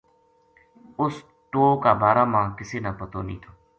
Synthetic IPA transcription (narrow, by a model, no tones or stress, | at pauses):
ʊs | ʈoːkaːbaːɾaːmãːkɪseːnaːpət̪oːnḭ̃ːt̪ʰoː